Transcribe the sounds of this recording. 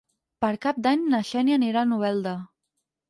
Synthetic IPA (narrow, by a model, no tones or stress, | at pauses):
pəɾkap̚d̪aɲnəʃɛnianiɾanuβɛlˠd̪ə